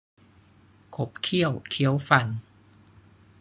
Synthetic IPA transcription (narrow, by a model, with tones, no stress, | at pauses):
kʰo˦˥p̚kʰi˥˩əwkʰi˦˥əwfa˧˩n